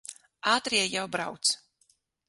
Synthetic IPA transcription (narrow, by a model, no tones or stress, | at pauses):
aːt̪ɾiɛjawbɾawt̪s